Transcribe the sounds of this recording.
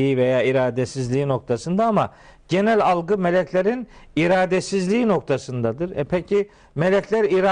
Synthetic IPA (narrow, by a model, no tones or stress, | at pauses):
iivejaːiɾaːd̪esizlʲiːino̞k̚t̪ʰasɯnd̪aama | ɟe̞nælʲalˠɡɯmelʲɛcʰlʲeɾiniɾaːd̪esizlʲiːno̞k̚t̪ʰasɯnd̪ad̪ɯɾɛ̰pʰɛcʰi | me̞lʲɛcʰlʲæɾiɾa